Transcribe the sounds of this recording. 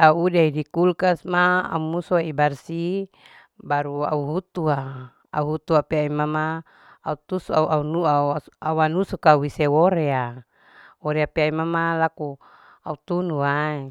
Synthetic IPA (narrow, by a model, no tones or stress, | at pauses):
audaidikulkasmaa̰umusoaibarsi | baɾua̰uɦut̪ua | a̰uɦut̪uapeaimamaː | ut̪usuauʔaunuauauwanusukauisewoɾea | woɾeapeaimamalaku | aut̪unuai